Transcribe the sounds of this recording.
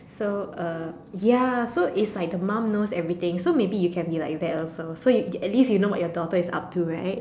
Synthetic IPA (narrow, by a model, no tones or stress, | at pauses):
soʌ | jasoʔɪtslaɪk̚dəmãmnosɛvɹit̪ɪ̃ŋsomebijukʰɛ̃nbilaɪk̚dɛtɔlsosojuɛt̚lisjunowɔ̰ʔjɔdɔtəɪsa̰p̚tʰuɹa̰ɪt̚